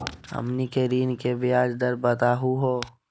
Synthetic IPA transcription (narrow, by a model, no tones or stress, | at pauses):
ə̰mnikeɾiːnkebiaːd͡ʒd̪əɾbət̪aːɦuɦoː